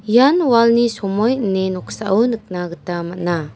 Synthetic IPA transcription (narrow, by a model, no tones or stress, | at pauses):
janwalnisɔmɔjnenɔkʰsaʔawnɯk̚naɡɯtamat̚na